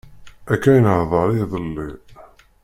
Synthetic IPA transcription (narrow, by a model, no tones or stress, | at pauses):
ækːæjnəhðˤɑɾˤiðˤəlːi